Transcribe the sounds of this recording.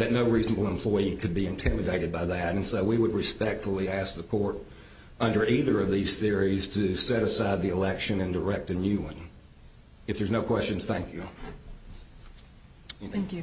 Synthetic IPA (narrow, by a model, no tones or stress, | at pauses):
ðɨtⁿnoʊɹiznəbl̩ˠə̃mpʰl̥ɔɪikʰɨd̚biɨ̃ntʰɪ̃mɨdeɪɾɨd̚baɪðɨɾɨ̃nsoʊwiwəd̚ɹɨspɛk̚tfl̩ˠiæsk̚ðəkʰɔɹɾ | ʌ̃ndə˞iðə˞ʌvðiz̥θɪɹiz̥tʰɨsɛɾɨsaɪd̪̚ðiəlɛkʃɨ̃nɨ̃ndə˞ɛk̚tɨnjʉə̃n | ɨfðə˞znoʊkʰw̥ɛst͡ʃɨ̃n̩z̥θæ̃ŋkʰjʉ